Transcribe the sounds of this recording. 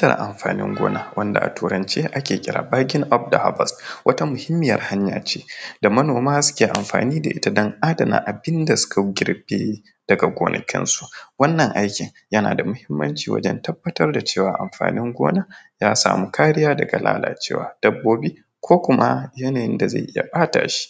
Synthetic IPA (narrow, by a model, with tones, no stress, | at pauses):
tɐ̰˨r̰ʔa̰˨mɸaː˨nɪ̰˦ŋɡʷo̰ː˦na˦wʔɐ˦nda̰˨ʔa̰˨tuː˨ɾɐ˨nt͡ʃeː˦ʔa˦kʲeː˨kʲʼɪ˦ɾa̰ː˨baː˦ɡʲɪ˦ŋʔɔ˦b̚da˨ha̰˦bɐ˨stwʔɐ˦ta˦mʊ˨hɪ˦mːɪ˨jɐ˨rha˦ɲjaː˨t͡ʃeː˦da˨mɐ˦noː˨maː˦sʊ̥˦kʲeː˨ʔa˨mɸa̰ː˨niː˦da̰˨ʔɪ˦ta˨dɐ˦ŋʔaː˦dɐ˨na̰ː˨ʔa˨bɪ˦nda˨sʊ̥˦ka˨ɡʲɪ˦rbeː˦ | d̥ɐ˨ɡa˨ɡʷoː˨nʔɐ̰˨kʲɪ̰˦nsu̥˦ʔwɐ˦nːɐ˨ŋʔa˦jkʲɪ˨ŋ | jɐ˦na̰ː˨da˨mʊ˦hɪ˦mːɐ̰˦nt͡ʃiː˨wɐ̰˦d͡ʒɛ̰˦ntɐ˦bːɐ˦tɐ˦rda˨t͡ʃeː˦˨waː˨ʔa˨mɸa̰ː˨nɪ˦ŋɡʷo̰ː˦na˦jaː˦sa̰ː˨mu˦kʰaː˦ɾɪ˦jaː˦dɐ˨ɡa˨lʔa̰ː˦la̰ː˨t͡ʃeː˦wa̰ː˨d̥ɐ˦bːoː˦bi˦ | kʷoː˦kʷʊ˦ma˦jɐ˦naː˨jɪ˦nda˨za̰˦˨ʔɪ˦ja̰˨ɓaː˦ta̰ː˨ʃi̥˦